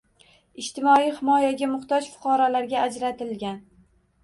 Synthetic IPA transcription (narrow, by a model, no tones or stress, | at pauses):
ɪʃt̪ʰɪmɒijhɪmɒjaɡʲamʊχt̪ɒd͡ʒfʊ̥qʰɒɾɒlaɾɡʲaːd͡ʒɾat̪ɪlɡʲan